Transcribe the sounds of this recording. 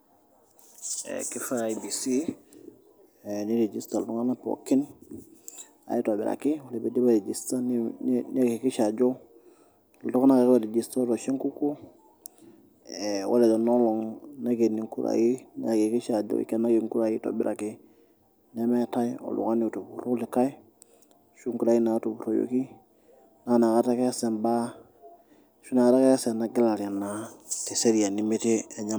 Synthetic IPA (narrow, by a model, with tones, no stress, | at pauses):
ḛ˨ki˦fa˦a˨i˨bi˨si˦˨ | ni˦ɾe˨d͡ʒi˨sta˨lu˨tu˦ŋa˦na˦po̰˨ki˦n | a̰˨ji˦to˨bḭ˨ɾa̰˨ki˦u˦le˨be˨di˦ba˨ɾe˨d͡ʒi˨sta˦nni˦a˦ki˨ki˦ʃa˨d͡ʒo˦ | lu˨tu˦ka˦na˦ke˦kba˨ɾe˨d͡ʒi˨sta˦ɾo˨ʃe˦ŋku˦ku˦ | ɛ˨wo̰˦le˨do˨nɔ˦lɔ˨ŋna˦ke˨ni˨ŋku˦ɾa̰˨i˦na˨ke˨ki˦ʃa˨ɟo̰˨ḭ˦kɛ˦na˦ɡi˨ŋku˦ɾa˨ji˦to̰˨bɪ˦ɾʔa˨kɪ˦ | nɛ˦mɛ˦ta˦jo̰˨lṵ˨ka˦ni˨u˨tu˨bu˨ɾo˦lɪ˨ka˦i˦ | ʃu˦ŋku˦ɾa˨ɡi˦na˨˦tu˨bu˨ɾo˨jo̰˨ki˦ | na˦˨na˨ka˦ta˦kɛ˦sɛ˨mba˦ | ʃu˦na˨ka˦ta˦kɛ˦sɛ˨na˨ɡɪ˦la˨ɾa˨na˨ti˨se˦ɾi˨ja˨ni˨me˦ti˦ɛ˨ɲa˦